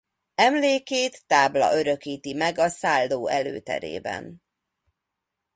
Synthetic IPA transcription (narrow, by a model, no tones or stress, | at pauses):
ɛmleːkeːt̪ːaːblɒ̰ʔøɾø̞kiːt̪imɛɡɒsaːlːoːɛlø̰ːt̪ɛ̰ɾḛːbɛ̰n